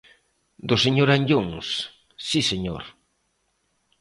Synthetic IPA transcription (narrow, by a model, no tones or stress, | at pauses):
d̪ʊseɲoɾaɲʎoŋs | siseɲo̰ɾ